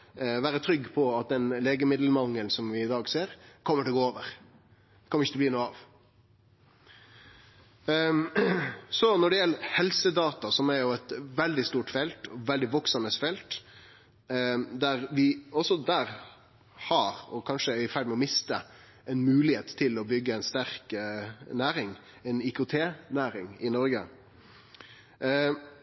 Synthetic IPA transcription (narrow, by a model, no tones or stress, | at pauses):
ʋæːɾət̪ʰɾʏɡpʰɔɑt̪̚d̪ɛnleːɡəmɪd̪l̩mɑŋːəlnsɔmʋɪɪd̪ɑːɡseːɾkʰɔmːəʈʰɪlɔɡoːoːʋəɾ | kʰɔmːɾɪçət̪ʰbliːnuːɑʋ | sɔnɔɖɛjɛlːəhɛlsəd̪ɑːt̪ɑsɔmæɾjʊɛt̪ʋɛld̪ɪst̪uːʈfɛlt̪ʰɔʋɛld̪ɪʋɔksɑnəsfɛlt̪ | d̪æɾʋɪɔsɔd̪æːɾ | hɑɾɔkʰɑnʂəɪfæɾd̪mɛɔmɪst̪ə | ɛnmʉːlɪheːt̪t̪ʰːɪlɔbʏɡːəɛɪnst̪æɾknæːɾɪŋ | ɛnɪkʊt̪ʰeːnæːɾɪŋɪnɔɾɡə̰